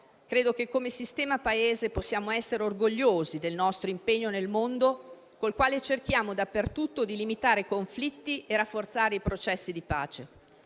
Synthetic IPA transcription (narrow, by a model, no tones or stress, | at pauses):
kɾeːd̪okekːomesist̪ɛːmapaeːzeposːjaːmoɛsːeɾeorɡoʎːoːzid̪elnɔst̪ɾoimpeɲːonelmond̪o | kolkwaːlet͡ʃerk̟jaːmod̪apːert̪ut̪ːod̪ilimit̪aːɾekoɱflit̪ːieɾafːort̪saːɾeipɾot͡ʃɛsːid̪ipa̰ːt͡ʃe